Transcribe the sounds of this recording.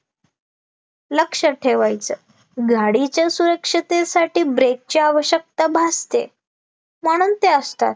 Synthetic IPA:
ləkʂəʈʰeʋajt͡sə | ɡʱaɽit͡ɕjasuɾəkʂit̪esaʈiːbɾek̚t͡ɕeaʋəɕək̚t̪abʱast̪ḛ | məɽ̃uːnt̪eəst̪a̰t̪̚

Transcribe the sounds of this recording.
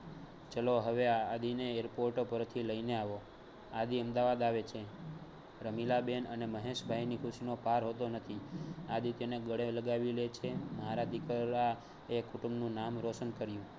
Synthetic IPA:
t͡ʃəloɦəʋead̪ʱineeɾpoɾʈopəɾt̪ʰiləineaʋo | ad̪iəmd̪aʋad̪aʋet͡ʃʰe | ɾəmilabenəneməɦeʃbʱajnikʰʊʃinopaɾɦot̪onət̪ʰiad̪it̪eneɡəɽeləɡaʋilet͡ʃʰeməɦaɾad̪ʱikəɾa | ekʰʊʈumnũnamɾoʃənkəɾjũ

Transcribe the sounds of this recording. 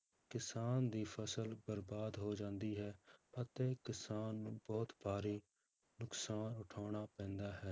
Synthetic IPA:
kɪsaːnd̪iːpʰəsəlbəɾbaːd̪ɦoːd͡ʒãːnd̪iːɦɛːət̪eːkɪsaːnːũːbɔːt̪baːɾiː | nʊksaːnʊʈʰaːɽ̃aːpɛ̃ːnd̪aːɦɛː

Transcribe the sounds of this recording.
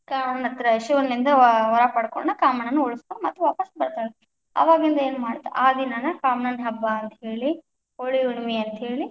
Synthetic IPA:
kaːɐɳɐt̪ːɾɐʃuʋɐnːind̪ɐɦɔɾɐpɐɽkoɳnɐkaːmɐɳɐnːuoɭiskoɳɖmɐt̪ːuʋaːpɐsbɐɾt̪aːɭe | ɐ̰ʋaːɡind̪ɐe̞ːnumaːɽt̪ːeʔaːd̪inɐnɐkaːmɐɳɐnɦɐbːɐːnt̪ɐɦeːɭi | oɭiuɳmiɐnt̪ɐɦe̞ːɭi

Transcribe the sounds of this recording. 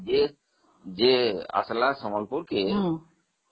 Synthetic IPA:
d͡ʒe | d͡ʒea̰slasɔmɔlpuɾke

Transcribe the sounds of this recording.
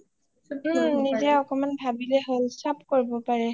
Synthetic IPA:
nizɛɔkɔmanbʱabilɛɦolsap̚koɹibɔpaɹɛ

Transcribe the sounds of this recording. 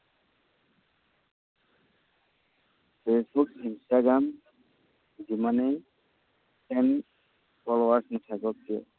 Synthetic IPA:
pʰesbukinstaɡɹam | zimanɛ | ɛn | pɔlowaɹsnɔtʰaɡɔk̚ːiɔ̰

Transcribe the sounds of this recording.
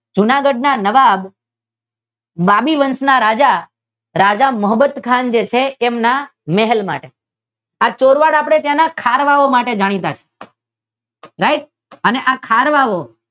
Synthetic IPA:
d͡ʒʊnaɡəɖ̚nanəʋab | abiʋənsnaɾad͡ʒa | ɾad͡ʒaməɦəbət̪kʰand͡ʒet͡ʃʰeːmnamɛɦɛlma̰ʈe | at͡ʃoɾʋaɽapɽ̃et̪janakʰaɾʋaʋomaʈed͡ʒaɽ̃it̪at͡ʃʰe̥ | ɾaiʈ̚ | əneʔakʰaɾʋaʋo

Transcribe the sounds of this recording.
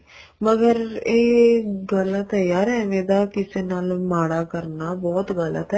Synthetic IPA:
məɡəɾeːɡəlt̪əjaːɾɛːneːd̪aːkɪseːnaːlmaːɽaːkəɾnaːbɔːt̪ɡələ̰t̪ɛ

